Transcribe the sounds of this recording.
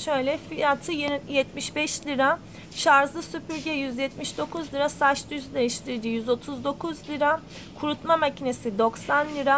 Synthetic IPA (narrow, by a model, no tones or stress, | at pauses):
ʃø̞jlʲɛfijat̪ʰɯjjɛt̪miʃbɛʃlʲiɾa | ʃaɾzˠɯsypyɾɟɛjyzjɛt̪miʃd̪o̞kʰuzlʲiɾasaʃd̪yzyd̪e̞jiʃt̪ʰiɾd̪ijyzo̞t̪ʰuzd̪o̞kʰuzlʲiɾa | kʰuɾut̪mamacʰine̞sid̪o̞ksanlʲiɾa